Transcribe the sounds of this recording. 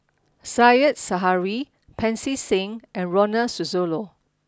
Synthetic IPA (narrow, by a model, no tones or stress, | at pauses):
sajətsaɦaɹi | pʰɛ̃nsisɪ̃ŋɛ̃nɹɔnəsuzolo